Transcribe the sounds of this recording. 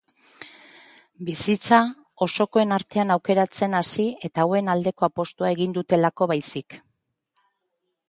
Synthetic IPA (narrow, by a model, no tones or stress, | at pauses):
bisit͡sa | o̞so̞ko̞e̞naɾt̪e̞anawke̞ɾat͡se̞nasie̞t̪awe̞nald̪e̞ko̞apo̞st̪uae̞ɣind̪ut̪e̞lako̞βajsik